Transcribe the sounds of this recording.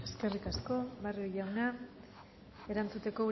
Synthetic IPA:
e̞ske̞rikasko̞βariiʎawna | e̞ɾant͡sut̪e̞ko̞

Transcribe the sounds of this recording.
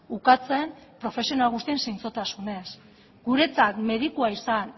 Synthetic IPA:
ukat͡se̞mpɾo̞fe̞sionalɣ̞ust̪ie̞nsijnt͡so̞t̪asune̞s | ɡuɾe̞t͡sakme̞ðikuaisan

